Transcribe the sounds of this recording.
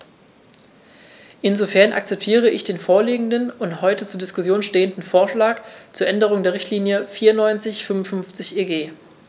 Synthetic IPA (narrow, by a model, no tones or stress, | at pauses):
ʔɪnzofɛɐnʔa̰k̚t͡sɛp̚tʰiːʁ̞əʔɪçd̥eːnfoːɐliːɡŋ̩dənʊnthɔʏtət͡suːɐdɪskʊsjoːnʃteːəndn̩foːɐʃlaːkt͡suːɐʔɛndəʁ̞ʊŋdeːɐʁ̞ɪçtʰliːnjəfiːɐnɔʏnt͡sɪçfʏmʊnfʏnft͡sɪçʔeːɡeː